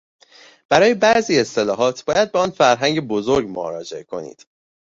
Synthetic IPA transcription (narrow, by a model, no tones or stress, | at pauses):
b̥æɾɒːjebæʔziːe̞st̪e̞lɒːɦɒːt̪ʰb̥ɒːjæd̪̚beɒːnfæɾɦæŋɟebo̞zoɾɡmo̰ɾɒ̰ːd͡ʒeʔekʰo̞̰nḭːd̪̥